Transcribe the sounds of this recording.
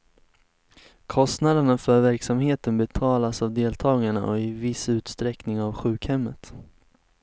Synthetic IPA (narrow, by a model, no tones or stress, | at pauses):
kʰɔst̪nad̪əɳafœɾvæɾksamheːt̪ənbɛt̪ʰɑːlasavd̪eːlt̪ʰɑːɡaɳa̰ʔɔɪvɪsʉ̟ːt̪st̪ɾɛknɪŋavɧʉ̟ːkhɛmːət̪